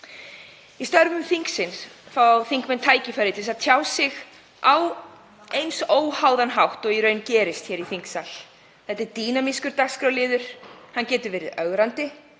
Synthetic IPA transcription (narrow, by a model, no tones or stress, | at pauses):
ist̪œɾvʏmfiŋksɪnsfaθiŋkmɛnt̪ʰaːjcɪfaɾɪt̪ʰɪlsaðt̪ʰjaːwsɪɣ | aw | ejnsoːwhawðanɦawht̪ɔɣiɾœːɥncɛːɾɪst̪çɛːɾiθiŋksal | θɛht̪ːɛɾt̪iːnamɪskʏɾt̪askɾawlɪːðʏɾ̥hancɛːt̪ʏɾvɛːɾɪ̰ðœɣɾant̪ɪ